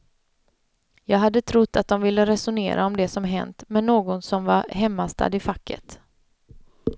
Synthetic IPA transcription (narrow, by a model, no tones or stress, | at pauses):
jɑːɡɦad̪ːət̪ʰɾʊt̪ːat̪̚d̪ɔmvɪlːəɾɛsʊnḛːɾʔaɔmd̪ɛsɔmɦɛ̰nt̪mɛnːoːɡɔnsɔmvaɾɦɛmːast̪ʰa̰d̪ɪfakːə̰t̪